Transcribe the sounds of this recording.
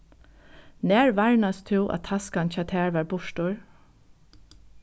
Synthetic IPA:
nɛːɹʋaɹnast̪ʰɪwʔa̰t̪ʰaskanc͡çaːt̪ʰæːɹʋɑːɹbʊʂtʊɹ

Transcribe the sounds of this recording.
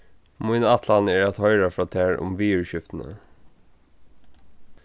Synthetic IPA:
mʊɪnɑt̪ʰlanɛɹat̪hœʏɾəfɾɑːt̪ʰæːɹʊ̰mʋiːʉɹɕʏft̪ən̩ə̰

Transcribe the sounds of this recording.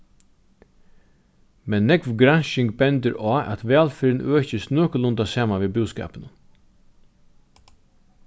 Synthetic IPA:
mɛnːɛkʋɡɾanʃɪŋɡbɛnd̪əɾɑːʔæ̰t̪ʋæːlfɪɾnʔøːçəst̪nøːkəlʊnd̪asæːmanʋeːbʉːskɑ̰ːpənən

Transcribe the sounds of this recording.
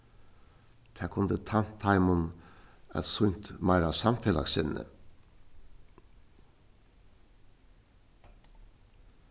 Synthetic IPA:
t̪ʰæːkʰʊnd̪ət̪ʰan̥t̪ʰːɑɪmʊnæ̰t̪sʊɲt̪mɑɪɾasɑmfelɑ̰ksɪnnə̰

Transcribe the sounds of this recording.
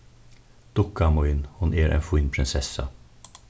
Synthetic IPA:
d̪̥ʊkːamɔinhʊneːɾʔɛ̰nfʊiːnpʰɾɪnsɛsːa̰

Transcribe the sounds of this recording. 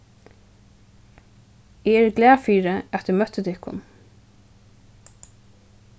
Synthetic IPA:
eɛɹɡlæːfiːɹəɛt̪̚d̪ʉmœt̪ət̪ʰɪhkʰʊ̰n

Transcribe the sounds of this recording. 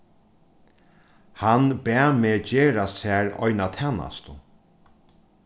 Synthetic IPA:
hanbɛameːd͡ʒeːɾasæːɾɔ̰jnat̪ʰɛːna̰st̪ʊ̰

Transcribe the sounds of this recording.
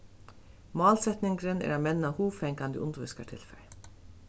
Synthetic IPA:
mɑːlsɛt̪nɪŋkɾɪnɛ̰ːɾamɛnːahuːʋfɛŋkand̪ə̰ʊnt̪ʋɪskat̪ʰɪlfɛj

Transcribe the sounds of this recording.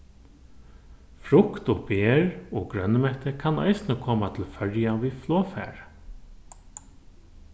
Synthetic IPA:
fɾʊkt̪ɔbeːɹɔːɡɾœnːəmɛht̪əkʰana̰jsnəkʰɔːmat̪ʰɪlfœɹjaviːflɔːfæ̰ːɹ

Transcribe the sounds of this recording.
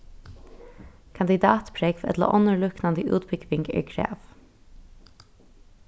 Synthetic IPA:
kʰand̪ɪd̪ɑːt̪pʰɾɛkʋɛ̰t̪lə̰ʔɔnəɹlʊknand̪əʔʉ̰ːt̪bʏɡʋɪŋɡɛ̰ɹkʰɾæ̰ːf

